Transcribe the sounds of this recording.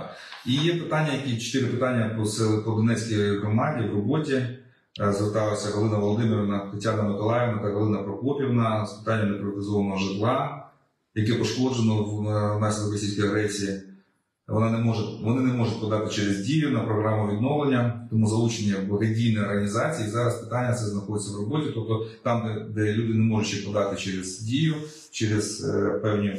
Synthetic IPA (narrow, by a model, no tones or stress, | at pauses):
ijɛpɪt̪anʲːɐjɐkʲit͡ʃɔ̥t̪ɪɾɪpɪt̪ɑnʲːɐpɔsɛkɔlˠd̪ɔnɛt͡sʲsʲkijɦɾɔmɑdʲiwrɔbɔtʲi | zʋert̪ɑlˠɐsʲɐɦɔlˠɪnɐʋɔlˠɔd̪ɪmɪɾʲɪʋnɐt̪ɐtʲanɐmɐkɔlˠajɪʋnɐt̪ɐɦɔlˠɪnɐpɾɔpɔpʲiwnɐspɪ̥t̪ɑnʲːɐmd̪epɾʲɪʋɐt̪ɪzɔʋɐnɔɦɔʒɪt̪lˠɑ | jɐkɛpɔʃkɔd͡ʒenɔwnɑsʲɪlˠɪkrɔsʲisʲkɔjɐɦɾɛsʲiji | ʋɔ̰nɑnemɔʒʊʋɔnɪnemɔʒʊtʲpɔd̪ɑt̪ɪt͡ʃɛɾezdʲijʊnɐpɾɔɦɾɑmʊʋʲid̪nɔʋlˠenʲːɐt̪ɔmuzɐlˠut͡ʃenʲːɐbɐɦɐdʲijnɛjɔrɦɐnʲizɑt͡sʲijizɑɾɐspɪ̥t̪ɑnʲːɐt̪sɛznɐxɔd̪et͡sʲːɐwrɔbɔtʲit̪ɔp̚t̪ɔt̪ɑmd̪ɛd̪ɛlʲud̪ɪnemɔʒʊtʲʃt͡ʃɛpɔd̪ɑt̪ɪt͡ʃɛɾɛz̥dʲijʊ | t͡ʃɛɾɪz̥pɛwnʲi